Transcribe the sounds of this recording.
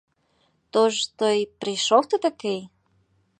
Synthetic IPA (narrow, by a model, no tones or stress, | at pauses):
t̪oʒt̪ojpriʃoft̪ə̆t̪ə̆kej